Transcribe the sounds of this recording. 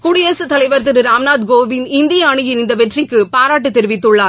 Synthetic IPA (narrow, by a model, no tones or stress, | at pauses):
kuɽɪjɐsɯt̪ɐlɐɪʋɐɾt̪ɪɾɯɾaːmnaːd̪ɡoːʋɪnɪnd̪ɪjaːɳɯɪɾɪnd̪ɐpɛʈrɪkːɯpaːɾaːʈ̬ːɯt̪ɛɾɯʋɪt̪ːɯɭːaːɾ